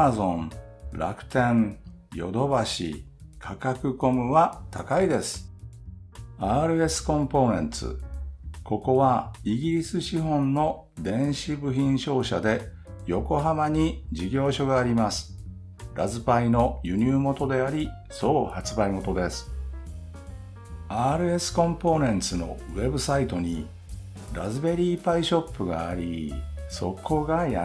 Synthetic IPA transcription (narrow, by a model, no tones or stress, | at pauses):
azõ̞n | ɾa̰kɯ̟̥t̪ẽ̞n | jo̞̰d̪o̞baɕḭkʰakakɯ̟ko̞mɯ̟βat̪ʰakaid̪e̞sɨ̥ | aːɾɯ̟e̞sɨ̥kõ̞mpo̞ːnẽ̞nt͡sɨ̰ko̞ko̞βaiɡʲiɾʲisɨɕiɦõ̞nːo̞ | d̪ẽ̞ɰ̃ɕibɯ̟çĩɰ̃ɕo̞ːɕa̰d̪e̞ | jo̞ko̞ɦamaɲ̟id͡ʑiɡʲo̞ːɕo̞ɡaːɾʲimasɨ̥ | ɾazɨpaino̞jɯ̟ɲ̟ʲɨːmo̞t̪o̞d̪e̞aɾʲi | so̞ːhat͡sɨbaimo̞t̪o̞d̪e̞sɨ̥ | aːɾɯ̟e̞sɨ̥kõ̞mpo̞nẽ̞nt͡sɨno̞̰βe̞bɯ̟sait̪o̞ɲ̟i | ɾazɨbe̞ɾʲiːpaiɕo̞pːɯ̟ɡa̰ːɾʲḭso̞̰kʰo̞ɡaja